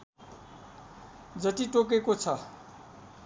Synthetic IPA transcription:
d͡zʌt̪iʈok̬ekot͡sʰʌ

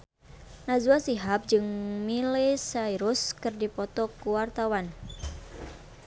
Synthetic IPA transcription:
nazuasiɦap̚d͡ʒɨŋmilɪsaiɾuskɨrdipɔt̪ɔkuwart̪awan

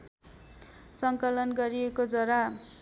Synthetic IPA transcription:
sʌŋkʌlʌnɡʌɾiekod͡zʌɾa

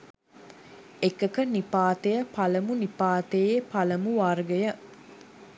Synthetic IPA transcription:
ekɐkɐnipaːt̪ejəpɐlɐmunipaːt̪ejepɐlɐmuʋaɾɡejə

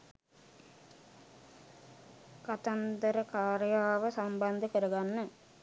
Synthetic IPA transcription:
kɐt̪ɐnd̪ɐɾɐkaːɾjaːʋɐsɐmbɐnd̪ʱɐkɐɾɐɣanːɨ

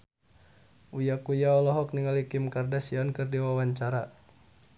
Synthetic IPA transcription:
ujakujaɔlɔɦɔk̚niŋalikɪmkardasiɔnkɨrdiwawaɲt͡ʃaɾa

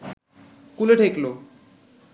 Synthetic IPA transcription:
kuleʈʰeklo

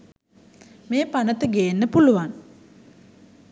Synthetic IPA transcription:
meːpanət̪əɡejenːəpuluʋan

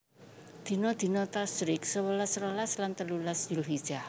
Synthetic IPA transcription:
d̪̥i̤nɔd̪̥i̤nɔt̪asɾɪksəwəlasɾolaslant̪əlulasd͡ʒulʊɦid̥ʒ̥ah

